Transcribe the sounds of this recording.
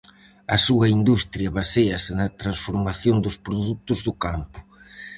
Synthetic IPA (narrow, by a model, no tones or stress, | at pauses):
ɐsuɐind̪ust̪ɾjɐβaseɐsɪnɐt̪ɾansfoɾmaθjond̪ʊspɾoðut̪ʊzðʊkampʊ̥